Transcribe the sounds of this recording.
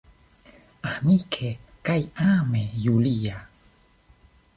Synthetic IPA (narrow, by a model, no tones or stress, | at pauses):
anikʰekajaːmejulija